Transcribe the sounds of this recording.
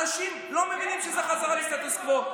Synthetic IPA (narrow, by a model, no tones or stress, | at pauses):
aʃim | lo̞me̞vinimʃezeχazaʁaliʃt̪at̪uskvo